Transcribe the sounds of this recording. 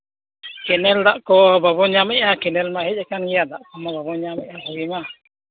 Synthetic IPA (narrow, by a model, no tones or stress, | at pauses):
kɛnɛld̪aʔkɔbabɔɲamɛʔakɛnɛlmahɛd͡ʒɛkanɡijad̪aʔkɔmababɔɲamɛʔaɦɔɡima